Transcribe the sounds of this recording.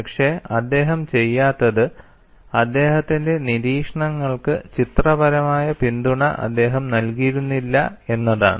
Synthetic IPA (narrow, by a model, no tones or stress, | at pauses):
pɐkʂe̞ɐd̪ːe̞ːɦɐmt͡ɕe̞jːaːt̪ːɐðɨ | ɐd̪ːe̞ːɦɐt̪ːinde̞niɾiːkʂɐɳɐŋːɐɭkɨt͡ɕit̪rɐbɐɾɐmaːjɐpind̪uɳɐ̰ʔɐ̰d̪ːe̞ːɦɐmnɐlkijɾunːilːɐ̰e̞nːɐða̰ːɳ